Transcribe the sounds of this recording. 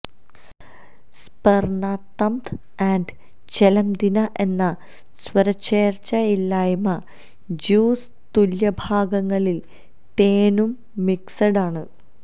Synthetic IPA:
s | pɐrɳaːt̪ːɐmt̪ | aːɳɖ | t͡ɕelɐmd̪inɐʔe̞nːɐ | swɐɾɐt͡ɕːeːrt͡ɕɐilːaːjmɐ | d͡ʑuːs | t̪uljɐbʱaːɡɐŋːɐɭil | t̪eːnumː | iksɐɽaːɳɨ

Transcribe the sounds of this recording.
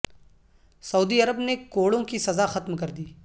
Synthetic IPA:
sɐuːd̪iɐɾəbnekoːɽõkisɐzaxɐt̪mkɐɾd̪iː

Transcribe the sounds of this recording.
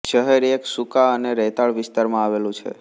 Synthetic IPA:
ʃəɦeɾeksukaəneɾɛt̪aɭʋɪst̪aɾmãaʋelũt͡ʃʰḛ

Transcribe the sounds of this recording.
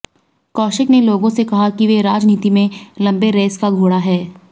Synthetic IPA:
kɔːʃɪkneloːɡõsekɐɦakiʋeɾaːd͡ʒniːt̪imẽlɐ̃mbeɾeːskaɡʱoːɽaɦɛː

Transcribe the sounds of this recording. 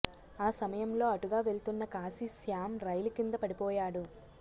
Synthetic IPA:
aːsɐmɐjɐmlo̞ːɐʈuɡaːʋe̞lt̪unːɐkaːsisjaːmɾɐjlukind̪ɐpɐɽipɔːjaːɽu

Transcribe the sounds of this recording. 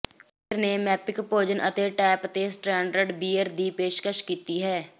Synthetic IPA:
ppʰɪɾnemɛːpɪkpoːd͡ʒənʔə̰t̪eʈɛːpt̪eːsʈɾɛ̃ːɳɖəɾɖbiːəɾd̪iːpeːʃkəʃkiːt̪iɦɛː

